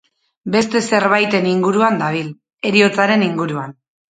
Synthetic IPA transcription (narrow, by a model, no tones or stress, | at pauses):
be̞st̪e̞se̞ɾβajt̪e̞niŋɡuɾuand̪aβ̞il | e̞ɾio̞t͡saɾe̞niŋɡuɾuan